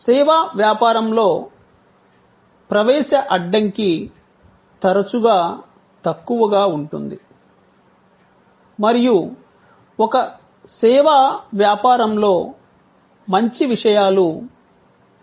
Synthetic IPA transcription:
sɛːʋaːʋjaːpaːɾɐmlo̞ː | pɾɐʋɛːʃɐʔɐɖːɐŋki | t̪ɐɾɐt͡ʃuɡaː | t̪ɐkːuʋɐɡaːuɳʈund̪i | mɐɾiju | wɔkɐ | sɛːʋaʋjaːpaːɾɐmlo̞ː | mɐɲt͡ʃiʋiʂɐjaːlu

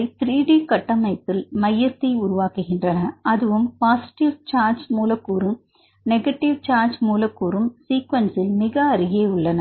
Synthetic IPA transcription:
ɪt̪ɾiːɖiːkɐʈːɐmɐɪp̪ːɪlmɐjːɐt̪ːɐɪʊɾʊʋaːkɯɣɪndrɐnɐʔɐðɯʋɯmpaːsɪ̥ʈɪʋt͡ʃaːɾd͡ʒmuːlɐkːuːɾɯm | nɛɣɐʈːɪʋt͡ʃaːɾd͡ʒmuːlɐkːuːɾɯmsiːkʋɐnsɪlmɪɣɐːɾɪɣeːʊɭːɐnɐ

